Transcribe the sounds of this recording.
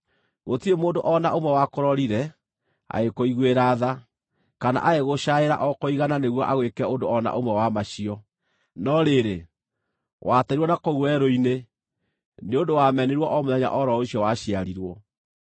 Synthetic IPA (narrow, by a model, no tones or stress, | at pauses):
ɣotiemoːndoʔɔnaomwɛwakoɾɔɾiɾɛ | a̰ekoiɣweɾaða | kana̰ʔaeɣoʃaeɾa̰ʔɔkoiɣananeɣwɔʔaɣwekɛondoɔna̰ʔomwɛwamaɕiɔ | nɔɾeɾe | wʔatɛɾiwɔnakoɣuwɛɾoine | neondowamɛneɾwɔʔɔmoðɛɲa̰ʔɔɾɔoɕjɔwaɕiaɾiɾwɔ